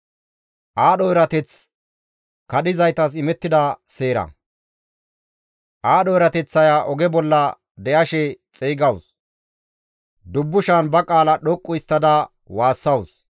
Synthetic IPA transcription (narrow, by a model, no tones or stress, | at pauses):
ʔaːɗɔjɾɐt̪ɛt͡s | kɐɗ̪ɪzɐjt̪ɐs̬ɪmɛt̪ːɪd̪ɐseːɾɐ̰ | ʔaːɗɔjɾɐt̪ɛt͡sːɐjaːʔɔɡɛbɔlːɐ | d̪ɛʔɐʃɛt͡sʼeːɡɐws | d̪ʊbːʊʃanbɐkʼaːlɐɗɔkʼːʊɪst̪ːɐd̪ɐ | waːsːɐws